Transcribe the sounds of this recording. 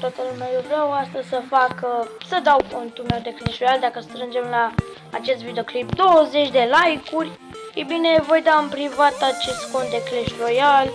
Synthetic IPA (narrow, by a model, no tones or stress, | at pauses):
t̪wat̪əlumeajewvɾeawast̪əzʲsəfakəsəd̪awkont̪umewd̪e̞kleʃro̞jald̪akəst̪ɾɨnd͡ʒe̞mlaː | t͡ʃe̞st̪vid̪eo̞klip̚d̪o̞wəze̞t͡ʃʲd̪e̞lajkurʲ | ebine̞vo̞jd̪aɨnmpɾivat̪at͡ʃe̞st̪ko̞nt̪̚d̪e̞kleʃro̞jal